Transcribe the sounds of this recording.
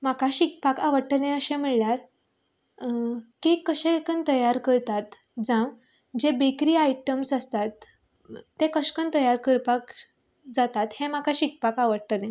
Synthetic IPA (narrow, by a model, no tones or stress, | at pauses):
m̤akʰaɕik̚pakaʋəɽʈəlẽəɕɛ̃miɭljaɾ | kikəɕekənt̪əjaɾkəɾt̪at̪ | d͡zãw | d͡ʑebekɾiːajʈəmsəst̪at̪ː | ẽkəɕkənt̪əjaɾkəɾpak | d͡zat̪at̪hẽmakaɕik̚pakaʋəɽʈəlẽ